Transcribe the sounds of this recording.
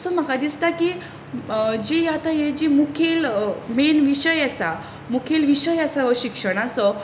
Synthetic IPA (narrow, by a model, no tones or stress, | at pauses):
sɔm̤akad̪ist̪aki | d͡ʑiat̪ajed͡ʑimukʰelmenʋiɕəjasa | mukʰelʋiɕəjasaɕikʂəɽ̃asɔ